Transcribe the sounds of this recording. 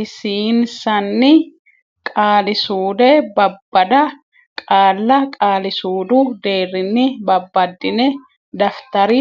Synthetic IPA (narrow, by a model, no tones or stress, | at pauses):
ɪsiːnsɐnːɪ | kʼaːlɪsuːd̪ɛbɐbːɐd̪ɐ | kʼaːlːɐkʼaːlɪsuːd̪ʊd̪e̞ːrːɪnːɪbɐbːɐd̪ːɪnɛ | d̪ɐft̪ɐɾɪ